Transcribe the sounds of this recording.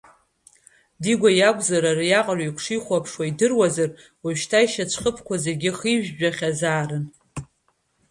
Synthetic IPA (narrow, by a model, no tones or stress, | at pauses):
diɡʷajakʷʼzaɾarjaqʼalikʷʰʂiχʷapʰʂwaidɨrwazar | waʃtʰaiʃat͡ʃʷʰχəpʰkʷʰazerɡʲɪχiʒᶣʒᶣaχʲazaːrɨn